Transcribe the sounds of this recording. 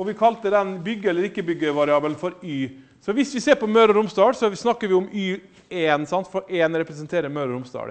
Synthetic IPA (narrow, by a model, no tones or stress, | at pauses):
ɔʋɪkʰɑlt̪əd̪ɛnbʏɡːəɛlːəɾɪkːəbʏɡːəʋɑɾɪɑːbəlnfɔɾyː | sɔʋɪsʋɪseːɾpɔmœɾɾʊmsd̪ɑːɽsɔsnɑkːəɾʋɪʊmyː | eːnsɑnt̪fɔɾʔeːnɾɛpɾɛsənt̪ʰeːɾəɾmœɾəɾʊmsd̪ɑ̰ːɽə̰